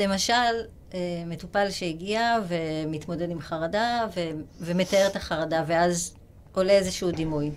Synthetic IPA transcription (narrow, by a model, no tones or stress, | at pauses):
le̞maʃal | emetupalʃeiɡiave̞mit̪mo̞dedimχaʁadaveveme̞t̪ae̞et̪aχaʁadave̞az | o̞le̞ezeʃudimuj